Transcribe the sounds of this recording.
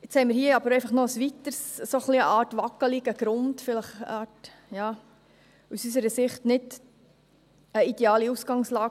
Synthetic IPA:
ɪt͡shɛɪmɪɾhiəɑbəɾɛɪfɑχnɔəsʋitəɾssoχliəʔɑːtʋɑkəliɡ̥əɡ̥ɾʊntfɪləχɑːt | jɑː | usysəɾəsɪχtnɪd | əid̥eɑːliusɡ̥ɑŋslɑː

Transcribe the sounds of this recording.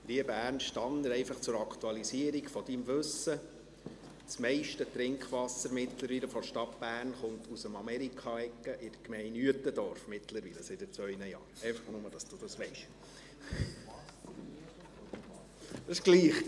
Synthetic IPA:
liəbæːrnʃtɑnːəɾɛɪfɑχt͡sʊɾɑkt̪uɑlisiəɾiɡfɔd̥imʋɵsə | t͡smɛɪʃtət̪ɾɪŋkχʋɑsːəɾmɪt̪ləɾʋiːləfɔʃtɑtb̥æːrnχʊnt̪usəmɑmɛɾikʰɑɛkːəʔɪd̥əkmɛɪnyətːədɔɾfmɪtləɾʋiləsɪd̥ət͡sʋœʏnəjɑ̰ːɾɛɪfɑχnʊməd̥ɑsd̥ud̥̪ɑsʋɛɪʃ | dɑsɪʃɡ̥liːχ

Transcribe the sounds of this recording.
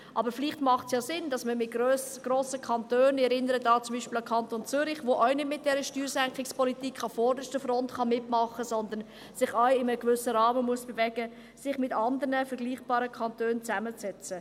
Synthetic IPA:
ʔɑbəɾfɪliχtmɑχtsjoːsɪndɑsməmɪɡøsɡ̥roːsəkʰɑntøːnɛɾɪnəɾədɑːt͡sʊmbiːʃpɪləkʰɑnt̪ont͡sʏɾɪχʋoʔœɥnɪtmɪt̚d̥ɛɾəʃtyːɾsɛŋkχɪkspɔlitikχɑfɔːɾdəʃtəfrɔntχɑmɪtmɑχəsɔnd̪ən | sɪχœɥɪməəkvʏsəɾɑːməmuəsb̥ɛvɛɡ̥ə | sɪχmɪtɑndəɾnəfəɾɡliːχb̥ɑːɾəkʰχɑntøːnt͡sæmət͡sɛt͡sə

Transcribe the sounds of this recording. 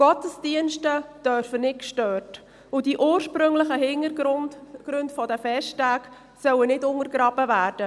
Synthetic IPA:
ɡ̥ɔtəsdiənʃtəd̥œɾfənɪtkʃtøːrt | ʊdiʔuːɾʃpɾɵŋləχəɦɪŋə | ɡ̥ɾʉndfɔdəfɛʃtæːk | sœwənɪdʊŋəɾɡɾɑːbəvæːɾd̥ə

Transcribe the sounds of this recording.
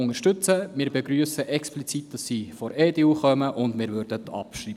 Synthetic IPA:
ʊŋəɾʃtɵt͡səmɪːɾbeɡɾyːəsəʔɛksplit͡sit̚d̥ɑsːifɔɾɛːdeuχœməʔʊndmɪːɾʋøɾd̥ətʰɑ̰pʃriːb

